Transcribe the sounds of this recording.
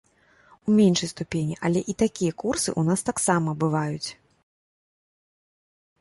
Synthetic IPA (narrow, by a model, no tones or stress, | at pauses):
umʲenʂɐjst̪upʲenʲiʔɐlʲɛʔit̪akʲijɐkursɨ̰ʔunast̪aksamɐbɨvajut͡sʲ